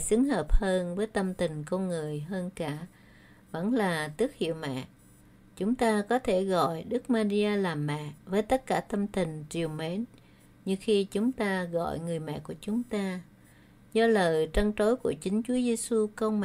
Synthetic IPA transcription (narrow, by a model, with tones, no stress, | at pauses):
sɨ˨˦əŋhəː˨˩p̚həː˧nvəː˨˦jt̪ə˧mt̪ï˨˩ŋ̟kɔ˧nŋɨ˨˩əjɦəː˧nkaː˧˩ | və̰˧˥nlaː˨˩t̪ɨ˦˥ək̚hḭ˧˨əwmɛ̰˧˨ | t͡ɕʊ˨˦ŋ͡mt̪aː˧kɔ˨˦t̪ʰe˧˩ɣɔ̰˧˨jɗɨ˦˥k̚maː˧zi˧ʔaː˧laː˨˩mːɛ̰˧˨vəː˨˦jt̪ə˦˥t̚kaː˧˩t̪ə˧mt̪ï˨˩ŋ̟t͡ɕi˨˩əwme˨˦n | ɲɨ˧xi˧t͡ɕʊ˨˦ŋ͡mt̪aː˧ɣɔ̰˧˨jŋɨ˨˩əjmɛ̰˧˨ku˧˩ət͡ɕʊ˨˦ŋ͡mt̪aː˧ | zɔ˧ləː˨˩jt͡ɕə˧ŋt͡ɕo˨˦jku˧˩ət͡ɕï˨˦ŋ̟t͡ɕu˨˦əze˧su˧kə˧wŋ͡mm˧˨